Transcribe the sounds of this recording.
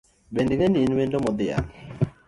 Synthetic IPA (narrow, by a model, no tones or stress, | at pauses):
bendiŋeninwendomɔd̪ɪa̰n